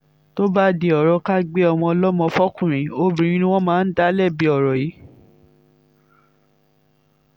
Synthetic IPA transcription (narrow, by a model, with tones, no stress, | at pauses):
to˦ba˦de˧˨ɔ˨ɾɔ˧ka˦ɡ͡be˦ɔ˧w̃ɔ̃˧ɔ˧lɔ˦mɔ̃˧fɔ˦kũ˦˨ɾ̃ĩ˨˦o˧bĩ˨ɾ̃ĩ˧˦nĩ˧w̃ɔ̃˦mãː˦n̩˦da˦lɛ˦˨bi˨˦ɔ˨ɾɔ˨ji˨˦